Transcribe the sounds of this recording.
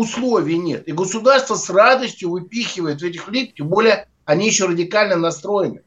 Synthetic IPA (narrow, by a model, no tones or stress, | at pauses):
ʊslˠovʲɪjnʲe̞̰t̪ɪɡəsʊd̪arst̪vəsrad̪əsʲtʲjʊvɨpʲixʲɪvəjɪt̪vɛtʲɪxlʲik̚tʲembo̞lʲɪjə | ɐnʲijɪɕːorədʲɪkalʲnənɐst̪ɾo̞jɪnɨ